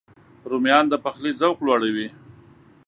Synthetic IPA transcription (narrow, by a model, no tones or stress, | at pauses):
ɾumjɑnd̪əpaxlizawklwɑɽawi